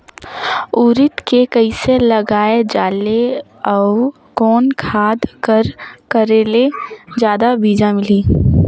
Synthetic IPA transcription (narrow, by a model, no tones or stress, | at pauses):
uːɾɪt̪kekəiselɐɡaːed͡ʒaːle | ɔːʊ | kɔːnkʰaːd̪kəɾkəɾeːled͡ʒjaːd̪abiːd͡ʒamɪliː